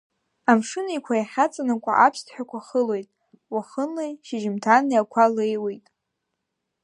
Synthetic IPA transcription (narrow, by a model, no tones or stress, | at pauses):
amʂɨnaikʷʰajaχʲat͡sʼanakʷʼa̰ʔapʰstʰħᶣakʷʰaχəle̞jtʼ | waχənlejʃɪʒɪmtʰaniakʷʰale̞jwejtʼ